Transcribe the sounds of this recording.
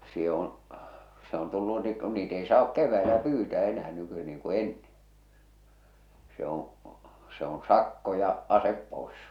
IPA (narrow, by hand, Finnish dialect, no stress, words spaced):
se on̞ se on tulːu niː ku niːt ei sɑːk keʋˑæelæ pyːtæː enæː nyky niːŋ ku enːẽː se õː se õː sɑkːo jɑ ɑsep poˑes